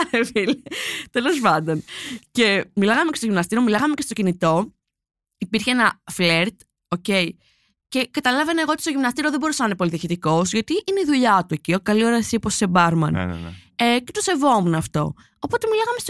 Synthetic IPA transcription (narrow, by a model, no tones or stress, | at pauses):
filet̪e̞lo̞spɐnd̪ɐncemilɐɣɐmecest̪oʝimnɐst̪iɾiomilɐɣɐmecest̪o̞cinit̪o̞ | ipiɾçeenɐfleɾt̪ | o̞ce̞i | ce̞kɐt̪ɐlɐveneɣot̪i̥st̪oʝimnɐst̪iɾioðebo̞ɾusɐnɐnepo̞liðiɐçit̪iko̞sʝɐt̪iʔineiðuʎɐt̪ue̞ciokɐlio̞ɾɐi̥siposse̞bɐɾmɐ̰n̰ece̞t̪ose̞vo̞munɐft̪o̞̰ | opo̞t̪e̞milɐɣɐmest̪o